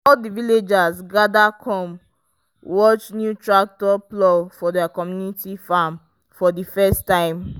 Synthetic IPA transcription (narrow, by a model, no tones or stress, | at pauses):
ɔldiviled͡ʒasɡadakʰɔ̃m | wɔt͡ʃnjutɹak̚tɔplɔfɔdɛakɔmjunitifam | fɔdifɛstːãɪ̃m